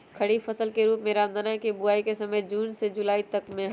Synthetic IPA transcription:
kʰɐɽifɐsəlkeɾuːpmẽɾaːnd̪anakebʊaːikesɐməjd͡ʒuːnsed͡ʒʊlaːit̪ɐkmẽɦ

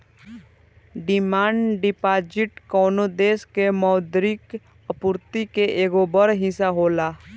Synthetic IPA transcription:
ɖɪmaːɳɖɪpaːd͡ʒɪʈkɔːnod̪eːskemɔːd̪ɾɪk | əpʊɾt̪ikeʔeːɡobəɾɦɪ̃saɦoːlaː

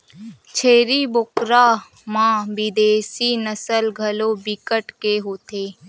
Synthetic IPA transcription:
t͡ʃʰeːɾiːbʊkɾaː | mãːbid̪eːsiːnəsəlɡʱəloːbikəʈkeːɦoːt̪ʰeː

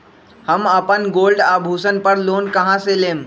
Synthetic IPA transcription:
həməpənɡoːlɖaːbʱuːsənpəɾloːnkəɦãseleːm

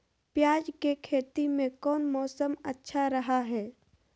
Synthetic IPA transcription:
pjaːd͡ʒkekʰeːt̪imẽkɔːnmɔːsəmətːʃʰaɾɐɦaɦɛː

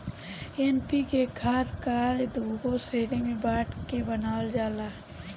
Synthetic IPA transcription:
enpikekʰaːt̪kaːled̪ʱuːɡoseːɽemẽbaːʈkebənaːwəld͡ʒaːlaː

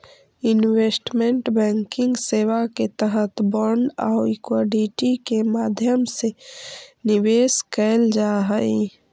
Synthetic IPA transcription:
ɪnweːsʈmẽɳʈbɛ̃ːŋkɪ̃ŋɡseːwaket̪əɦət̪bəɳɖa̰ʊikwaɖiʈikemaːd̪ʱjəmse | nɪweːskɛld͡ʒaɦəi

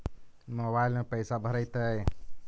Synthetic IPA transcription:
mobaɪlmẽpəɪsabʱəɾəjt̪əj

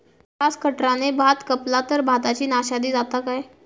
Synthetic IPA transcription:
kaskəʈɾanebʱat̪kəplat̪əɾbʱat̪at͡ɕiːnaɕad̪iːd͡zat̪akaj

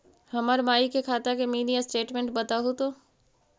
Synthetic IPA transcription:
hɐməɾmaːikekʰaːt̪akemiːnijasʈeːʈmẽɳʈ̚bɐt̪aɦot̪oː

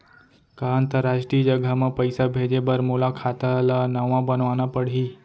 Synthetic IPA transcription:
kaant̪əɾaʃʈɾiːəd͡ʒəɡʱəmãpəjsabʱed͡ʒebəɾmolakʰat̪alanəʋãbənʋanãpəɽ̤ɦi

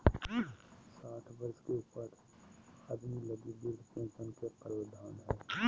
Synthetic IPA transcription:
saːʈʰbəɾskeuːpəɾ | əd̪miləɡib̪iɾpẽt͡ʃənkeqəɾoːd̪ʱaːnɦɛː

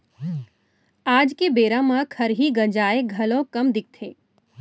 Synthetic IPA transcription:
aːd͡ʒkebeːɾãmãkʰɐɾɦiɡɐd͡ʒaːeɡʱɐlõkɐmd̪ɪk̚t̪ʰeː

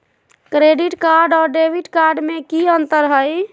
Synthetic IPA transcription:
kɾeɖiʈkaɾɖɔːɾɖebiʈkaɾɖmekiənt̪əɾɦəj

